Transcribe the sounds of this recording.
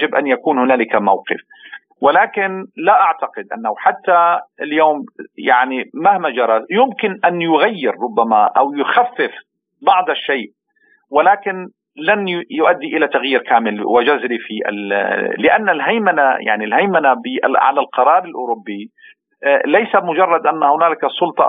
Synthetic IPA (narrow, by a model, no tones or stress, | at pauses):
d͡ʒɪbʔanjakuːnhʊnaːlɪkamawqɪ̰f | wɪlaːkɪnlaʔaʕt̪aqɪd̪ʔa̰nːawħat̪ːaɪljoːmjaʕnimahmad͡ʒɑɾˤɑjʊmkɪnʔanjʊɣajːɪɾɾʊbːamaʔawjʊxafːɪf | bɑʕd̪ˤʃːeːʔ | wɪlaːkɪn | lanjʊʔad̪ːiʔɪlat̪aɣjiːɾkaːmɪlwɪd͡ʒʊzɾifiʔɪ̰lɪʔanːalɦajmana̰ja̰ʕnilhajmanabɪʔʕa̰lalqɑɾˤɑːɾˤɪlʔʊɾʊbːi | lajsamʊd͡ʒɑrˤːɑd̪ʔanːahʊnaːlɪkasˤːʊlt̪ˤɑ̰